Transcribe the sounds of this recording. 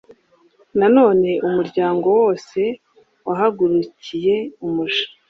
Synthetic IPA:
nano̞ːne̞ʔumuɾɟaːŋɡo̞wo̞ːse̞ | waɦaɡuɾucije̞umuʃḁ

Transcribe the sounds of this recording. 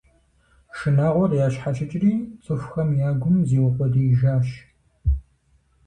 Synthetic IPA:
ʃɨnaːʁʷɔrjaːɕħat͡ʃʰʼɪt͡ʃʼɪriːt͡sʼɨxʷxɐmjaːɡʷʊmziːwʊqʷɔdiːʒaːɕ

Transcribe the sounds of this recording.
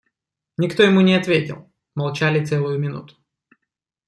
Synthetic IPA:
nʲɪkt̪o̞jɪmunʲɪɐt̪vʲetʲɪ̰lˠ | mɐlˠt͡ɕalʲɪt̪sɛlˠʊjʊmʲɪnṵt̪ʊ̥

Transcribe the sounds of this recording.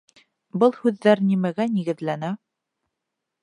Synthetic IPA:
bɤlˠhʉðːæɾnimæɡæniɡɘ̆ðlænæ

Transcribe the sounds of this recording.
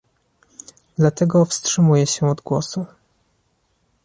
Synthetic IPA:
d̪lat̪ɛɡɔfstʂɘmujɛɕɛɔd̪ɡwɔsu

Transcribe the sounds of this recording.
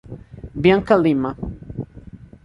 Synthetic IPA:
bjaŋkalima

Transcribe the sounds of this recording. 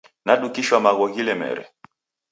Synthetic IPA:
naɗukiʃwamaɣɔɣilɛmɛ̰ɾɛ̰

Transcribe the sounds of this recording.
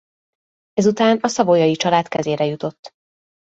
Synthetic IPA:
ɛzut̪aːnɒsɒvojɒjit͡ʃɒlaːt̪kɛzeːɾɛjut̪o̞t̪ː

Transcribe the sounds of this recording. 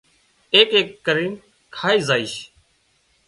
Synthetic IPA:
eːkeːkːəɾiːn | kʰaːiːzaːiːʃ

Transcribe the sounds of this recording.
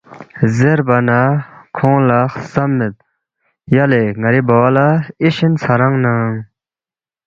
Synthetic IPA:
zerpanakʰɔŋlaχsamːet̪̚ | jaleːŋaɾibawalaeɕənt͡sʰaɾɑŋnaŋ

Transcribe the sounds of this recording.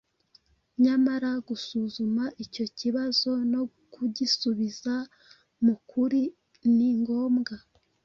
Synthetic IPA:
ɲamaɾaɡusuzumaʔico̞ciβazo̞no̞ | kuɟisuβiza | mukʰuɾi | niŋɡo̞ːmɡa

